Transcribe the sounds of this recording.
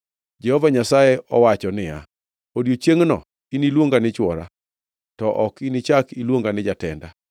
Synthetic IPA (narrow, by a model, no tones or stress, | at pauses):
d͡ʒɛhɔvaɲasajɛʔɔwat͡ʃɔnɪja̰ | odjot͡ʃeŋnɔ̰ | inilwoŋɡanɪt͡ʃwɔɾa̰ | tɔʔɔkinit͡ʃakilwoŋɡanɪd͡ʒatɛnda